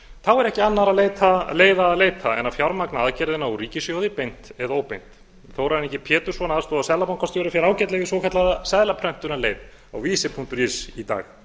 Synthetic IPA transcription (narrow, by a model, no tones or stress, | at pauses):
θawɛɾɛhcɪanːaɾaðleːjt̪ʰaleːjðaːðleːjt̪ʰaɛ̰nːawfjawɾmaknaaðcɛɾðɪnːauɾiːcɪsjowðɪpejn̥t̪ɛðaoːwpejn̥t̪ | θowɾaɾɪnɛcːɪpʰɛːt̪ʏ̥svɔnast̪ɔasɛðlapankʰɔst̪ɪvɛɾʏfjɛɾaːwcɛt̪lɛɣɪsvɔkʰat̪laðasɛðlapʰɾœm̥t̪ʏnaleːjt̪ | a̰wviːsɪpʰuŋ̥t̪ʏɾisit̪a̰ːx